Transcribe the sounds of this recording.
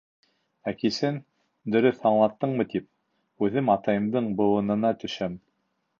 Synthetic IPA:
ækisɘn | d̪ɵ̆ɾɵθɑɴlˠɑt̪ːɤɴmɤt̪ip̚ | ʉðɘmɑt̪ɑjɤ̆md̪ɤɴbɤ̆wɤ̆nɤ̆nɑt̪ɵ̆ʃæm

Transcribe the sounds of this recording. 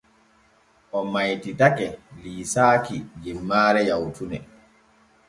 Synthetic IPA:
ʔɔmajtitakɛliːsaːkid͡ʒimːaːɾɛjawtʰunɛ̰

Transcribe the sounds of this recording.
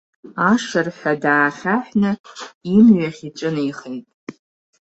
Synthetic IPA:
aʂɨrħʷᶣadaːχʲaħnɨimɥaχʲit͡ʃʷʼɨniχejtʼ

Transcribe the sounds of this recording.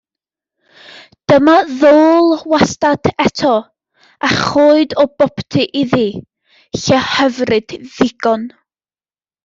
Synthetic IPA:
d̥əmaðoːlˠwastadʰɛtʰɔ | aχoːɨdɔbɔptʰɨʔiði | ɬɛhəvrɨd̥ðɪɡ̥ɔn

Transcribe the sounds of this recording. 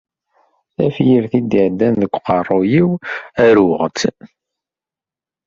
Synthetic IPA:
æfjəɾθid̪iʕd̪ːænðəkʷːqɑrˤːojiwæɾʊʁt͡s

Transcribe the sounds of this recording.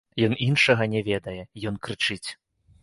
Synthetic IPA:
jɔninʂɐɣɐnʲɛvʲɛd̪ɐjɛjɔnkɾɨt͡ʂɨt͡sʲ

